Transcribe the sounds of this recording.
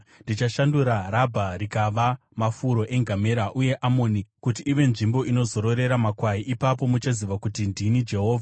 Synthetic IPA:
ndit͡ʃaʃanduɾaɾabʱaɾikaʋa | mafuɾo̞ʔe̞ŋɡʱame̞ɾaʔuje̞ʔamonikut̬iːʋe̞nʐimbo̞ʔino̞zo̞ɾo̞ɾe̞ɾamakwaiʔipap̬o̞mut͡ʃaziʋakutindinid͡ʒe̞ɦo̞ːvʱa

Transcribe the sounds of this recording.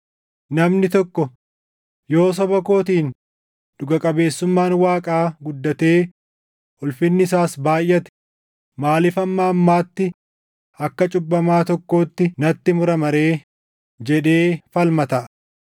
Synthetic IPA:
nɐmnɪt̪ɔkːɔ | jo̞ːs̬ɐbɐko̞ːt̪iːn | d̪̥ʊɡɐkʼɐbe̞ːsːʊmːaːnwaːkʼaːɡʊd̪ːɐt̪e̞ː | ʊlfɪnːɪɪsaːsbaːjʔɐt̪ɪ̥ | maːlɪfɐmːaːɐmːaːt̪ːɪ | ɐkːɐt͡ʃʼʊbːɐmaːt̪ɔkːo̞ːt̪ːɪnɐt̪ːɪmʊɾɐmɐɾe̞ː | d͡ʒɛᶑe̞ːfɐlmɐt̪ɐʔ

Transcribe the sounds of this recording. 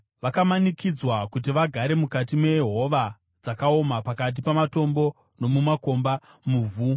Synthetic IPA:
ʋakamanikid͡zwakut̬iʋaɡʱaɾe̞mukatimwe̞jeɦo̞ʋa | d͡zakao̞mapakat̬ipamato̞mbo̞ | no̞mumako̞mba | muːvʱu

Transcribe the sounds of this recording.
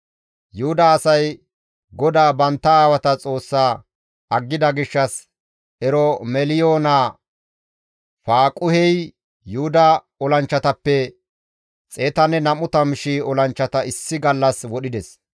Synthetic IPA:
jʊhʊd̪ɐːsɐj | ɡɔd̪aːbɐnt̪ːɐaːwɐt̪ɐt͡sʼo̞ːsːaː | ɐɡːɪd̪ɐɡɪʃːɐs | ɛɾɔmɛlɪjoːnaː | faːkʼʊhɛj | jʊʊd̪ɐ | ɔlɐnt͡ʃːɐt̪ɐpːɛ | t͡sʼe̞ːt̪ɐnɛnɐmʊt̪ɐmɪʃiɔlɐnt͡ʃːɐt̪ɐɪsːɪɡɐlːɐswɔɗɪd̪ɛs

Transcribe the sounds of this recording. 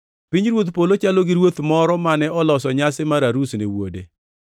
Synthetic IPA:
piɲɾwot̪polot͡ʃaloɡɪɾwot̪mɔɾɔmanɛɔlɔsɔɲasɪmaɾaɾusnɪwo̰dḛ

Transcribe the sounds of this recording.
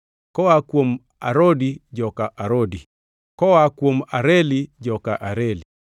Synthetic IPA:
kɔakwom | aɾodid͡ʒɔkaʔaɾodi | kɔwakwomaɾelid͡ʒɔkaʔaɾeli

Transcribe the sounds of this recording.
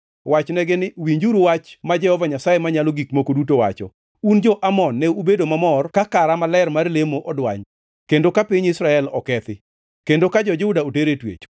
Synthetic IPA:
wat͡ʃnɛɡɪnɪwiɲd͡ʒuɾuwat͡ʃmad͡ʒɛhɔvaɲasajemaɲalɔɡikmokodutowa̰t͡ʃɔ | und͡ʒɔʔamɔnːɛubedomamɔrkakaɾamalɛrmarlemoʔɔdwa̰ɲ | kendokapiɲɪsɾaɛlɔ̰kɛt̪ɪ | kendokad͡ʒɔd͡ʒeudaoteɾetwḛt͡ʃ

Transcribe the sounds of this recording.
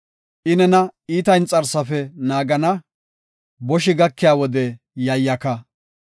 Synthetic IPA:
ʔɪnɛnɐiːt̪ɐjnt͡sʼɐɾsɐfɛnaːɡɐnɐ | bɔʃɪɡɐkːɪjaːwɔd̪ɛ | jɐjːɐkɐ

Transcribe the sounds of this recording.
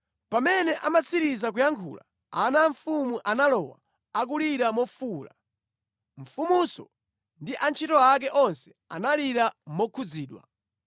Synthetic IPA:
pamɛnɛʔamasiɾizak̬ujaŋkʰṵla̰ | anaɱfumuʔanalɔwa̰ | ak̬uliɾamɔfuːla̰ | ɱ̩fumusɔ | ndiʔant͡ʃʰitɔak̬ɛʔɔnsɛ̥ | a̰naliɾamɔkʰud͡ziːɗwa̰

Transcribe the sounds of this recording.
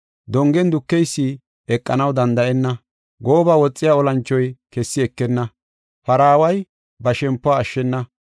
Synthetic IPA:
d̪ɔŋɡɛnd̪ʊkːɛjsːi | ɛkʼːɐnɐwd̪ɐnd̪ɐʔɛnːɐ | ɡo̞ːbaːwɔt͡sʼːɪjaːɔlɐnt͡ʃːɔjkɛsːɪɛkːɛnːɐ | fɐɾaːwɐj | bɐʃɛmpːɔaːʃːɛnːɐ

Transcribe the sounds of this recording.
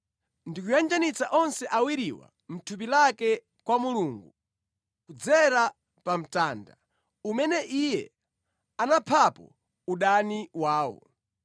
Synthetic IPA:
ndikujand͡ʒanit͡saʔɔnsɛʔawiɾiwa̰ | m̩tʰup̬ilakɛ | kwamuluːŋɡu | kud͡zɛɾa | pam̩taːnda | umɛnɛʔijɛ | anapʰapɔ̰ | uɗaniwaːwɔ̰

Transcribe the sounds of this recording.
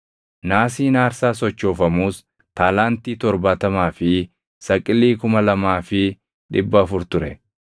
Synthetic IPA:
naːsiːnaːɾsaːsɔt͡ʃːo̞ːfɐmuːs | t̪aːlaːnt̪iːt̪ɔɾbaːt̪ɐmaːfɪ | sɐkʼːɪlːiːkʊmɐlɐmaːfɪ | ᶑɪbːɐːfʊɾt̪ʊɾɛ

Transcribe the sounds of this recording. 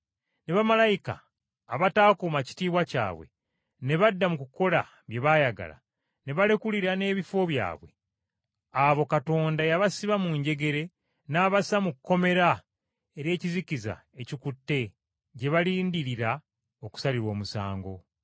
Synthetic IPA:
ne̞βamalajika̰ː | βataːkumaci̥tiːβwaca̰ːβwe̞̰ | ne̞βadːamukuko̞la̰ | βje̞βajaɡa̰la̰ | ne̞βale̞kuliɾane̞ːβifo̞βja̰ːβwe̞̰ | aβo̞kato̞ːndajaβasiβamuɲɟe̞ɡe̞ɾe̞ | naːβasamukːo̞me̞ɾa | e̞ɾe̞ːciziciza̰e̞cikutːe̞ | ɟe̞βaliːndiɾiɾa | oku̥saliɾo̞ːmusa̰ːŋɡo̞

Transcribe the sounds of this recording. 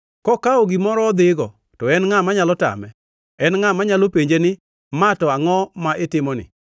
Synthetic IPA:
kɔkaoɡɪmɔɾɔːd̪ɪɡɔ | tɔɛnŋamaɲalɔta̰mɛ | ɛnŋamaɲalopeɲd͡ʒenɪ | matɔaŋɔmaʔɪtɪmɔnɪ̰

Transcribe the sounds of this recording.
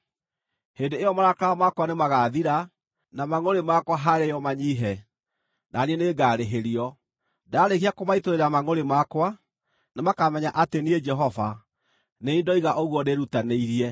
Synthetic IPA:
hendeeɔmaɾakaɔmakwanemaɣaːðiɾa | namaŋoɾemakwaɦaɾejɔmaɲiɦɛ | naniɛneɡaːɾeɦeɾiɔ | daɾekiakomaitoɾeɾamaŋoɾemakwa | nemakamɛɲaʔatenied͡ʒɛɦɔva | neindɔiɣaʔoɣwɔneɾutaneiɾiɛ

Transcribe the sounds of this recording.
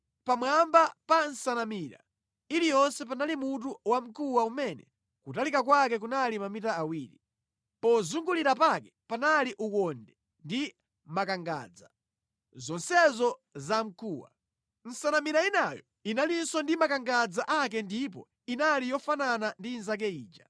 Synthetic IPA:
pamwambapan̩sanamiːɾa̰ | ilijɔnsɛp̬analimut̬uwam̩kʰuwaumɛnɛ̰ | kutalikak̬wak̬ɛk̬unalimamitaːwiːɾi | pɔzuŋɡuliɾapakɛpanaliʔukɔndɛ | ndi | makaŋɡa̰d͡za | zɔnsɛzɔzam̩kʰuwa̰ | n̩sanamiɾainajɔ̰ | inalinsɔndimakaŋɡad͡zaʔakɛndipɔ̰ | inalijɔfananandinzak̬ɛiːd͡ʒa

